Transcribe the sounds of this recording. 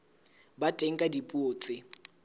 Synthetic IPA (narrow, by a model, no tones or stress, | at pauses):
batʼeŋ̩kʼadipʼoːt͡sʼɪ